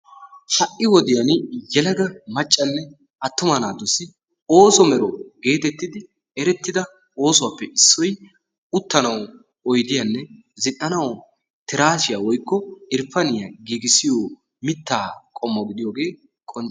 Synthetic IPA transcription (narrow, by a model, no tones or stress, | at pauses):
hɐʔːɪwɔd̪ɪjɐnjɛlɐɡɐmɐt͡ʃʼːɐnːɛ | ɐt̪ːʊmɐnaːd̪ʊsɪ | o̞ːsɔmɛɾɔɡe̞ːt̪ɛt̪ːɪd̪ɪ | ɛɾɛt̪ːɪd̪ɐ | oːsʊwapːɛʔɪsːɔj | ʊt̪ːɐnɐw | ɔjd̪ɪjɐnːɛ | zɪʔːɐnɐw | t̪ɪɾaːʃɪjawɔjkːɔɪɾpɐnɪjaɡiːɡɪsɪjoː | mɪt̪ːaːkʼɔmːɔɡɪd̪ɪjoːɡe̞ː | kʼɔnt͡ʃ